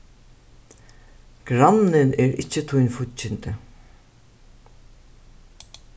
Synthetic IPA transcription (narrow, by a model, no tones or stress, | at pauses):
ɡ̥ɾanɪnɛɹɪ̰t͡ɕːɪt̪ʰʊjnfʊt͡ʃːɪnt̪ɪ